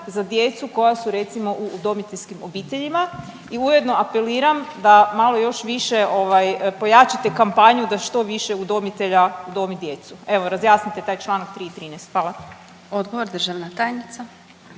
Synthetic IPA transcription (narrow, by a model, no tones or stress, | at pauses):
zad̪je̞t̪suko̞jasuɾe̞t̪simo̞ʔuːd̪o̞mit̪eʎʲskimo̞biːt̪eʎima | iuje̞d̪no̞ape̞liːɾamd̪amalo̞jo̞ʃʋiʃeʔo̞ʋajpo̞jat͡ʃat̪e̞kampaɲud̪aʃt̪o̞ʋiʃe̞ud̪o̞mit̪e̞ʎaud̪o̞mid̪je̞t̪sue̞ʋo̞ɾazjaːsnit̪et̪aːjt͡ʃlˠanak̚t̪ɾiːit̪ɾiːnɛjst̪xfʋaːlˠa | od̪ɡoʋoɾd̪r̩ʒaʋnat̪aːjnit̪sa